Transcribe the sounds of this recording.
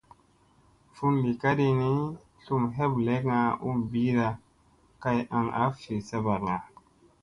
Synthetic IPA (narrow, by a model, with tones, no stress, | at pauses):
fu˦nli˨ka˦di˧ni˦ | ɬu˦mɦe˦ble˦kŋa˧ṵ˦mbi˦ɾa˧ | ka˧ja̰˨ŋa̰˨˦fi˨sa˦ba˨ɾŋa˨